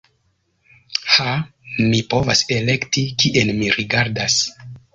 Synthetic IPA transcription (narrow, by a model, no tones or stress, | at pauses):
hamipo̞vase̞le̞ktikiʔenmiɾiɡaɾdas